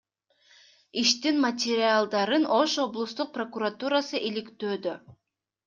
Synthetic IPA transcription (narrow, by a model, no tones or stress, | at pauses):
iʃt̪inmatʲɪɾʲɪalˠd̪ɑɾɯnʔo̞ʃo̞blˠust̪uq̚pro̞kuɾat̪uɾasɯʔilikt̪ø̞ːd̪ø